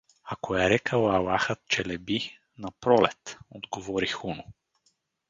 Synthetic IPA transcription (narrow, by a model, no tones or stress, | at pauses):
akoɛɾɛkəlˠalaxət̪̚t͡ʃɛlɛbi | napɾɔlɛ̰t̪od̪ɡovɔɾixunʊ